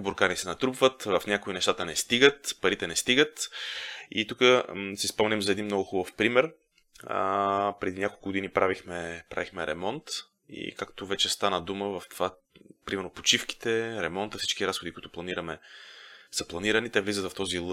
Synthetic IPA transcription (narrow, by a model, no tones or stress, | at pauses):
boɾkaɾisɛnɐt̪ɾupvət̪vɐfnʲjakoinɛʃt̪at̪ənɛst̪iɡət̪pɐɾit̪ɛnɛst̪iɡət̪ | ḭt̪ukəsispɔmnimzɐɛd̪inmnɔɡʊxubəfpɾimɛɾ̰ | pɾɛd̪inʲakolˠkʊɡod̪inipɾavixmɛpɾa̰vixmɛɾɛ̰mɔnt̪ | ḭkakt̪ovɛt͡ʃɛst̪anəd̪uməvɐft̪va | pɾimɛɾnopot͡ʃifki̥t̪ɛɾɛmɔnt̪əfsi̥t͡ʃkiɾasxod̪ikʊit̪ʊplˠɐniɾəmɛ | səplˠɐniɾənit̪ɛvlizət̪vɐft̪ɔzilˠ